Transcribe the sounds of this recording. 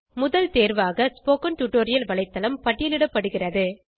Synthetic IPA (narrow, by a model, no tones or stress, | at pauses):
mʊðɐlt̪eːɾʋaːɣɐspoːkɐnʈuʈːoːɾɪjɐlʋɐɭɐɪt̪ːɐlɐmpɐʈːɪjɐlɪɽɐpːɐɽɯɣɪrɐðɯ